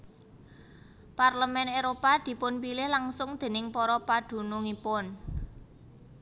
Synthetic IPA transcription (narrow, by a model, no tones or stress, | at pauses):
parləmɛneɾopad̪̥i̤pʊnpilɪhlaŋsʊŋd̪̥e̤nɪŋpɔɾɔpad̪̥ṳnuŋipʊn